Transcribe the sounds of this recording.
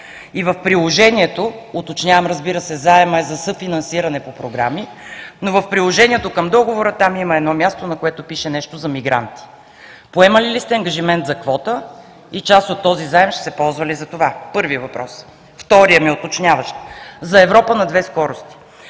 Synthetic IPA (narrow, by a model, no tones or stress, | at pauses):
ivəfpɾilˠoʒɛniɛt̪oot̪ot͡ʃnʲavəmɾəzbiɾəsɛzaɛmɐɛzɐsɤfinɐnsiɾɐnɛpopɾoɡɾaminovɐfpɾilˠoʒɛniɛt̪okəmd̪ɔɡovoɾət̪amiməɛd̪nɔmʲjast̪onɐkoɛt̪opiʃɛnɛʃt̪ozɐmiɡɾa̰nt̪i̥ | poɛməlilist̪ɛɐŋɡɐʒimɛnt̪zɐkvɔt̪ə | it͡ʃast̪ot̪ːɔzizaɛmʃt̪ɛ̥sɛpɔlˠzvɐlizɐt̪ovapɤɾviəvɐpɾɔs | ft̪ɔɾijəmiot̪ot͡ʃnʲavəʃt̪zɐɛvɾɔpənɐd̪vɛskɔɾost̪i̥